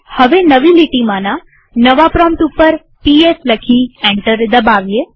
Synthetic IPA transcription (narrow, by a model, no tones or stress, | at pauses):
həʋenəʋiliʈimãnã | nəʋapɾɔmʈ̪upːəɾ | piesləkʰiɛ̃ɳʈəɾd̪əbaʋije